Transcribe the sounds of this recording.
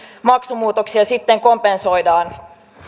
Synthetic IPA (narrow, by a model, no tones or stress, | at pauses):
mɑksumuːt̪o̞ksiɑsit̪ːe̞ŋko̞mpe̞nso̞jdɑːn